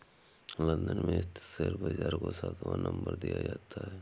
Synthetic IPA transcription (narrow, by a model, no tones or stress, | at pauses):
lə̃nd̪ənmẽt̪seɾbəd͡ʒaːɾkosaːt̪ʰʋãnʔə̃mbəɾd̪ijad͡ʒaːt̪aɦɛː